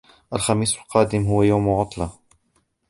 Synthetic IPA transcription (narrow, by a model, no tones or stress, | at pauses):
ʔalxamiːsalqɑːd̪ɪmɦʊwajawmʕʊt̪ˤlɑ